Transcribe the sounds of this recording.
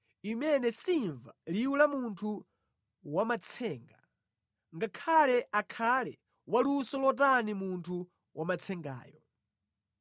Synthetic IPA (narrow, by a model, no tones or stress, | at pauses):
imɛnɛsiɱvaliwulamuntʰu | wamat͡sʰɛːŋɡa | ŋɡakʰalɛʔakʰalɛ | walusɔlɔt̬animuntʰu | wamat͡sʰɛŋɡa̰ːjɔ